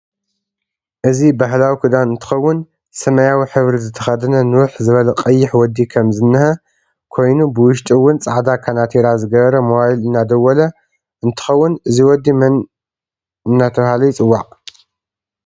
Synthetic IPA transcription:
ʔɨzibaɦlawikʰɨd̪anɨnt̪ʰɨ̥xɐwːʊn | sɐmɐjawiħɨβɾizɨt̪ʰːɐxɐd̪ɐnɐnɨwʊħzɨβɐlɐqʼɐjːɪħwɔd̪ːikʰɐmzɨnːɨhɐ | kʰo̞jnubɨwʊʃt̪ʼiwːʊnt͡sʼaʕd̪akʰanat̪ʰeɾazɨɡɐβɐɾɐmowajilɨnːad̪ɐwːɐlɐ | ʔɨnt̪ʰɨ̥xɐwːʊnɨziwɔd̪ːimɐn | ɨnːat̪ʰɐβhalɐjt͡sʼɨwːaʔʼ

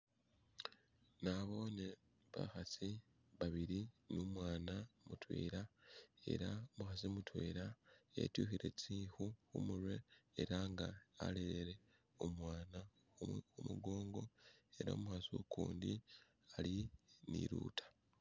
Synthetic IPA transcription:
naβo̞ne | βa̰xasi | βaβiɾinumwaːnamutwḛːɾae̞̰ɾamuxasimutwḛːɾaḛtjuːxiɾe̞t͡siːxuxumuɾwe̞eɾaːŋɡaa̰leɾeɾe̞ | omwaːna | umuɡo̞ːŋɡo̞e̞ɾaomuxaso̰kuːndi | alinḭɾṵːtʰḁ

